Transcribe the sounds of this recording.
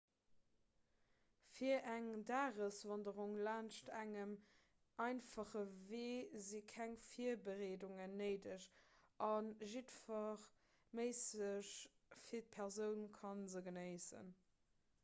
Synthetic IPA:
fiɐʔæŋdaːʁəsvɑndəʁuŋlaːnʃtæŋəm | ʔɑɪnfɑχəveːzikʰæŋfiɐbəʁeːduŋənːəɪdəʃʔɑnʒitfɑχ | məɪsəʃ | fiːɐt̚pʰɛʁzəʊnkʰɑnzəɡənəɪsə̰n

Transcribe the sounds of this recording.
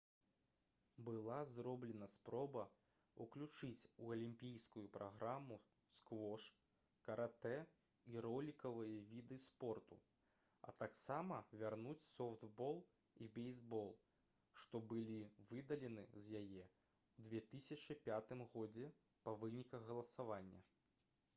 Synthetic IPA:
bɨlˠazɾɔblʲɛnɐspɾɔbɐ | uklʲut͡ʂɨt͡sʲuɐlʲimʲpʲijskujupɾʔaɣɾamːu | skvɔʂ | kɐɾʔat̪ɛ | iɾɔlʲikɐvɨjɐvʲid̪ɨspɔrt̪u | ɐ̰t̪aksamɐvʲarnut͡sʲsɔft̪bɔlˠ | ibɛjzbɔlˠ | ʂt̪ɔbɨlʲivɨd̪ɐlʲɛn̪ɨzʲjajɛ | wd̪vʲɛt̪ɨsʲɐt͡ʂɨpʲat̪ɨmɣɔd͡zʲɛ | pɐvɨnʲikɐɣɣːɐlˠɐsavanʲːɐ̰

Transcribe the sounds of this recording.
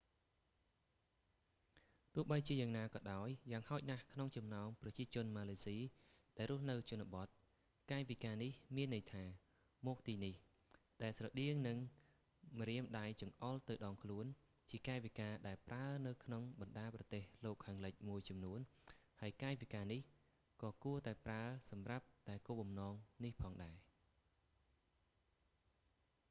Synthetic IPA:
t̪ʊ̆əhɓəjt͡ɕiəjaːŋnaːkɑːɗaɔjːaːŋhaɔc̚nahkʰnoŋt͡ɕɑmnaɔmprɑt͡ɕiət͡ɕʊ̆ənmaːleːsiː | ɗaɛlrʊ̆əhnɨwt͡ɕʊ̆ənaɓɑt̪̚ | kaːɛʋikaːnihmiənːɨjt̪ʰaː | mɔːk̚t̪iːnih | ɗaɛlsrɑɗiəŋnɨŋ | mriəmɗajt͡ɕɑŋʔɑlt̪ɨwɗɑːŋkʰluən | t͡ɕiəkaɛʋikaːɗaɛlpraənɨwkʰnoŋɓɑnɗaːprɑt̪eːhloːkʰːaːŋlɨc̚muəjt͡ɕɑmnuənhaəjkaːʋikaːnih | kɑːkuət̪aɛpraəsɑmrap̚t̪aɛkuːɓɑmnɑːŋnihpʰɑːŋɗaɛ

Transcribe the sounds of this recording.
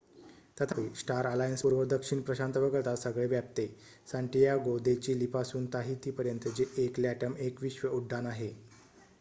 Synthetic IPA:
t̪ət̪ʰaʋisʈaɾalajənspuɾʋəd̪əkʂiɳpɾəɕant̪əʋəɡəɭt̪asəɡɭeʋjap̚t̪e | sãɳʈijaɡod̪et͡ɕiːlipasuːnt̪aɦit̪iːpəɾjənt̪əd͡ʑeʔekljaʈəmekʋiɕʋəuɖʱːanaɦe

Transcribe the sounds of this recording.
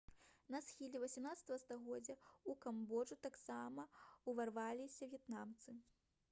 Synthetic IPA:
nɐsxʲilʲɛvɐsʲɛmnat̪st̪ɐvɐst̪aɣɔd͡zʲːɐukambɔʐut̪aksamɐuvarvalʲisʲɐvʲjɛt̪namt̪sɨ

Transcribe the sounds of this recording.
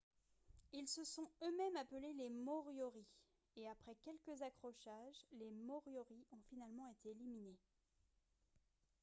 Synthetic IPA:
ilsəsɔ̃ømɛmapəlelemɔʁjɔʁi | eapχɛkʲɛlkʲəzakχɔʃaʒlemɔʁjɔʁiɔ̃finalmɑ̃et̪eːlimine

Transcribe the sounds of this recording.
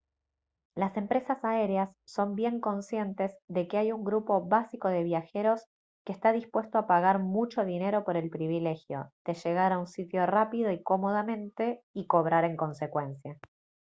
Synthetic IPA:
lase̞mpɾe̞sasaeɾeasːo̞mbje̞ŋko̞nsje̞nt̪e̞zðe̞keajuŋɡɾupo̞βasiko̞ð̞e̞β̞jaxe̞ɾo̞s | kest̪aðispwe̞st̪oapaɣaɾmut͡ʃo̞ðine̞ɾo̞po̞ɾe̞lpɾiβile̞xjo̞̰ðe̞ʃe̞ɣ̞aɾaunsit̪jo̞rapiðo̞iko̞mo̞ð̞amẽ̞nt̪e̞iko̞β̞ɾaɾe̞ŋko̞nse̞kwe̞nsja

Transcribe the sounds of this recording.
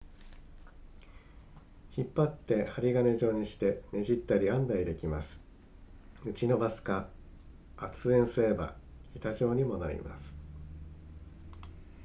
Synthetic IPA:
çipːat̪ːe̞haɾʲiɡane̞ʑo̞ːɲ̟iɕi̥t̪e̞ne̞ʑit̪ːaɾʲiãnd̪aid̪e̞kʲimasɨ̥ | ɯ̟t͡ɕino̞basɨ̥kaː | t͡sɨẽ̞ɰ̃sɨɾe̞ba̰ | it̪aʑo̞ːɲ̟imo̞na̰ɾʲḭma̰sɨ̥

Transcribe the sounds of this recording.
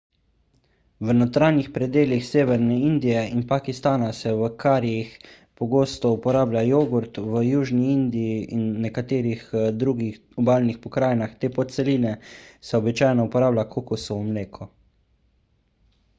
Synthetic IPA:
ʋənɔt̪ɾaːnixpɾɛd̪eːlixseːʋɛɾnɛind̪ijɛinpakist̪aːnasɛʋəkʰaːɾijix | pɔɡoːst̪ɔupɔɾaːblʲjajoːɡuɾt̪ʋəjuːʒniind̪iiinːɛkat̪eːɾixd̪ɾuɡi | ɔbaːlnixpɔkɾaːjnaxt̪eːpɔt̪t̪sɛliːnɛsɛɔbit͡ʃaːjnɔupɔɾaːblʲakʰokusɔwmleːkʰɔ

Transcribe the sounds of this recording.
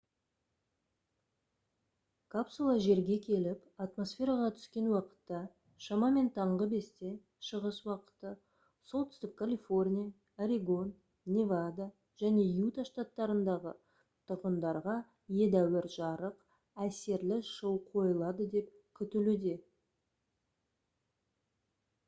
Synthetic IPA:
kʰapsulˠɑʒe̞ɾɡʲe̞kʲʰe̞lɪpat̪mo̞sfʲe̞ɾɑʁɑt̪ʰʏ̥skʲe̞nwɑqə̥t̪ːɑ | ʃɑmɑme̞nt̪ʰɑɴʁəbe̞st̪e̞ | ʃəʁəswɑqə̥t̪ːə | so̞lˠt̪ʰʏ̥st̪ɪp̚kʰalʲifo̞rnʲija | aɾʲiɡo̞nː | evad̪a | ʒ̥æne̞jut̪aʃt̪at̪ːɑɾənd̪ɑʁə̰ | t̪ʰʊɾʁənd̪ɑɾʁɑ | je̞d̪æwɪɾʒɑɾəq | æse̞ɾlɪʃəwqʰo̞jəlˠɑd̪əd̪e̞p | kʲʰʏt̪ɪlud̪e̞

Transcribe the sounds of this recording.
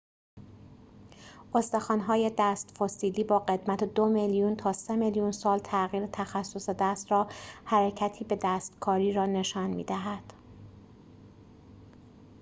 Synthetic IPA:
ʔost̪exɒːnɦɒːje̞d̪æːst̪fosiːliːbɒːɢe̞d̪mæt̪ʰed̪omeljunt̪ʰɒːse̞meljunsɒːlt̪ʰæɣiːɾet̪ʰæxæsːosed̪æst̪ɾɒːhæɾecʰæt̪ʰiːbe̞d̪æːst̪kʰɒːɾiːɾɒːne̞ʃɒːnmḭːd̪æɦæd̪̥

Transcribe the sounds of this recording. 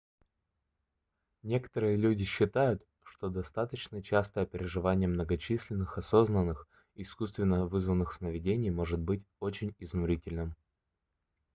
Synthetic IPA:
nʲe̞kə̥t̪əɾɨjəlʲudʲɪɕːɪt̪ajʊt̪ | ʂt̪o̞d̪ɐst̪at̪ət͡ɕnət͡ɕast̪əɐpʲɪɾʲɪʐɨvanʲɪjəmnəɡɐt͡ɕisʲlʲɪnːɨxɐso̞znənːɨx | ɪskust̪vʲɪnːəvɨzvənːɨxsnəvʲɪdʲenʲɪjmo̞ʐɨt̪̚bɨtʲo̞t͡ɕɪnʲɪznʊɾʲitʲɪlʲnɨm

